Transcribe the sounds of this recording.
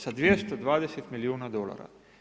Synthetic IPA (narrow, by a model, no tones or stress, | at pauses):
sad̪ʋjest̪od̪ʋaːd̪eset̪miliuːnad̪ola̰ɾa̰